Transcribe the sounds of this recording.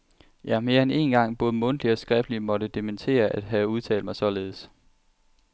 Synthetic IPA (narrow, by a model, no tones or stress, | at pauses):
jæme̝ːɐene̝̰nɡ̥ɑ̈ŋ̰b̥ɔ̽ːðˠəmɔ̽n̰d̥liɒ̽sɡ̥ʁɛfd̥limɒ̽ɾəd̥ement͡sʰe̝̰ːɐʔæd̥ɦæuð̞ˠt͡sʰɛ̰ːld̥mɑ̈ɪsɒ̽le̝ːð̞̩ˠs